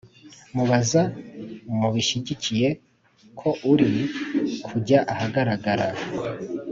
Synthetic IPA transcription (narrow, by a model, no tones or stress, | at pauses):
muβaza | muβiʃiɟicije̞ | kʰo̞ʔuɾi | kʰuɟaʔahaɡaɾaɡaɾa